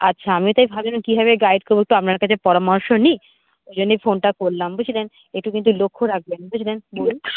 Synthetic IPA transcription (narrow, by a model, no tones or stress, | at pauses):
atːɕʰaamiot̪ajbʱabonokibʱaβeɡajɖkoɾboek̚ʈuapnaɾkat͡ɕʰepɔɾomɔɾʃoni | od͡ʑonːejfonʈakoɾlambot͡ɕʰilen | eʈukint̪ulokʰːoɾak̚benbot͡ɕʰilenbol